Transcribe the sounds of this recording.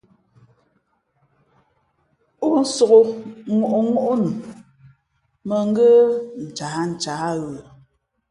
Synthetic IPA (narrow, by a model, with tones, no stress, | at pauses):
u˦n̩˦so˨ɣo˨ŋu˨ʔo˨ŋu˦ʔo˦nu˨ | mə˨ŋ̩˦ɡə˦n̩˨t͡ʃaː˨˦n̩˨t͡ʃa˨˦ɣə˨